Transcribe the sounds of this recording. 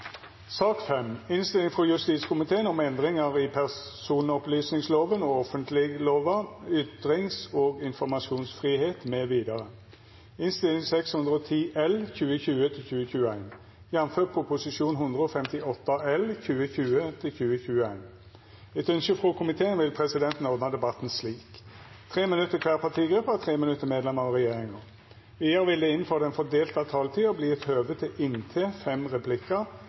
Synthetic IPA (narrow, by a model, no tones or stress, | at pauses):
sɑːkfɛmɪnst̪ɪlɪŋfʁɔjʉst̪iːt̪skʊmɪt̪ʰeːənɔmɛnd̪ʁɪŋəʁɪpʰæʁsuːnɔplyːsnɪŋsloːʋənɔɔfənt̪ʰlɪɡloːʋəʏt̪ʁɪŋsoːɡɪnfɔʁmɑsuːnsfʁiːheːt̪meːʋiːd̪ɑʁə | ɪnst̪ɪlɪŋsɛkshʉnd̪ʁəɔt̪ʰiːʔɛlçʉːəçʉːət̪ʰɪlçʉːəçʉːəæɪn | jɛnføːtpʰːpʰʊsɪʃuːnɦʊnd̪ʁəɔfɛmt̪ɪɔt̪ːəɛlçʉːəçʉːət̪ʰɪlçʉːəçʉːəæɪn | ɛt̪œnʃəfʁokʰʊmɪt̪ʰeːənʋɪlpʰʁɛsɪd̪ɛnt̪n̩oːd̪nɑd̪ɛbɑt̪n̩sliːk | t̪ʰʁeːmɪnʉt̪ːəkʰʋæːʁpʰɑʁt̪ʰiːɡɾʏpːət̪ʰʁeːmɪnʉt̪ːəmeːd̪lɛməʁɔʁɛjeːʁɪŋə | ɪəɾʋɪld̪ɛːɪn̩føːʁd̪ɛnfɔd̪eːlt̪ɑt̪ʰɑːlt̪ʰiːɔbliːɛt̪høːʋət̪ʰɪlɪnt̪ʰeːfɛmʁɛpʰlɪkːə